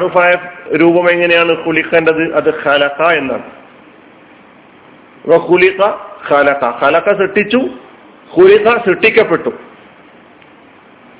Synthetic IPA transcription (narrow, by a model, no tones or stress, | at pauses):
ɐrɨfajfɾuːbɐme̞ŋːɐne̞jaːɳɨxuliqːendɐðɨʔɐðɨxɐlɐqɐe̞nːa̰ːɳɨ | ʋɐxuliqɐxɐlɐqɐxɐlɐqɐsiʈːit͡ɕːu | xuliqɐsiʈːikʲːɐpːe̞ʈːu